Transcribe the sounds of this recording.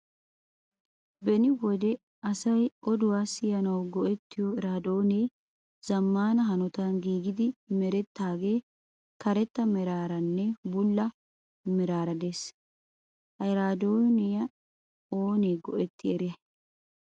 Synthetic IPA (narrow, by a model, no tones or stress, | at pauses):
bɛnɪwɔd̪ɛ | ɐsɐjʔɔd̪ʊwaːsːɪjɐnɐwɡɔʔɛt̪ːɪjɔɪɾaːd̪oːneː | z̥ɐmːaːnɐɦɐnɔt̪anɡiːɡɪd̪ɪmɛɾɛt̪ːaːɡe̞ː | kɐɾɛt̪ːɐmɪɾaːɾɐnːɛbʊlːɐ | mɪɾaːɾɐd̪e̞ːs | hɐɪɾaːd̪oːnɪjɐ | oːneːɡɔʔɛt̪ːɪɛɾɪjɐ